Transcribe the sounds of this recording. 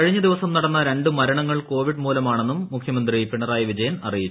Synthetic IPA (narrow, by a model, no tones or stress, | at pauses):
ɐɻiɲːɐd̪iʋɐsɐmnɐɽɐnːɐɾe̞ɳɖɨmɐɾɐɳɐŋːɐɭko̞ːʋiɖmuːlɐmaːɳe̞nːumːukʰjɐmɐnd̪ripiɳɐraːjɐʋid͡ʑɐjɐnɐrijit͡ɕː